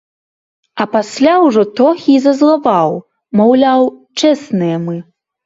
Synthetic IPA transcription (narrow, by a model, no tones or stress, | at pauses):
ɐpasʲlʲawʐɔt̪ɔxʲizɐzlˠavaw | mawlʲawt͡ʂɛsnɨjɐmɨ